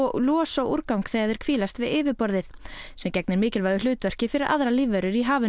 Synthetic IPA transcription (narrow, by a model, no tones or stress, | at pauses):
lɔːsawuɾkawŋkθɛːɣaðɪɾ̥kʰv̥iːlast̪vɪðɪːvɪpɔɾðɪθ | sɛmcɛk̚nɪɾmɪːcɪlvaðʏlʏːt̪vœr̥cɪfɪɾɪɾʔa̰ðɾaliːvœɾʏɾiɦaːvɪ